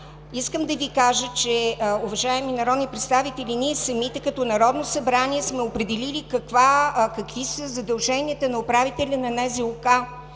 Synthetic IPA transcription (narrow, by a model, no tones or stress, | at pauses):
iskəmd̪ɐvikaʒət͡ʃɛʊvɐʒaɛminɐɾɔd̪nipɾɛt̪st̪avit̪ɛlʲiniɛsɐmit̪ɛkɐt̪ɔnɐɾɔd̪nosɐbɾaniɛsmɛopɾɛd̪ɛlilikɐkvakɐkvisəzɐd̪ɐlˠʒɛniət̪ənɐopɾavit̪ɛlʲɐnɐnaziʊka